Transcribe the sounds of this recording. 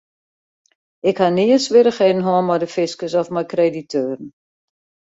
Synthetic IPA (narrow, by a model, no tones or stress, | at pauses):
ɪkhaniəsʋɪɾəχeːdən̩ɦɔːnmɔjdəfɪskəsɔfmajkreditʰøːɾn̩